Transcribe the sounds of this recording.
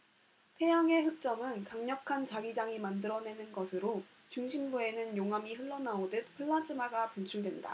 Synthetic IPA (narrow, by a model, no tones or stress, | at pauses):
tʰe̞jaŋe̞ɦɯk̚t͡ɕ͈ʌmɯnkaŋɲʌkʰant͡ɕaɡid͡ʑaŋimandɯɾʌne̞nɯnɡʌsʰɯɾo | t͡ɕuŋɕʰimbue̞nɯnjoŋɦamiɸɯɭːʌnaodɯt̚pʰɯɭːat͡ɕ͈ʰɯmaɡakunt͡ɕʰuɭdwe̞nda̰